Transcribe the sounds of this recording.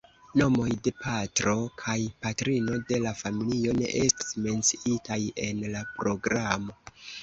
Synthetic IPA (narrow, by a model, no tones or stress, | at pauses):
no̞mo̞jde̞pʰatɾo̞kʰajpatɾino̞de̞lafamilio̞ne̞̰ʔe̞sti̥sme̞nt͡siitaje̞nlapɾo̞ɡɾamo̞